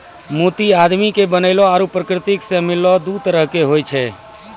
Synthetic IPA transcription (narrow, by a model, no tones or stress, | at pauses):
mot̪iad̪mikebənəɪlɔaɾupɾəkɾɪt̪iksẽmilːɔd̪ut̪əɾəɦkeɦojt͡ʃʰɛ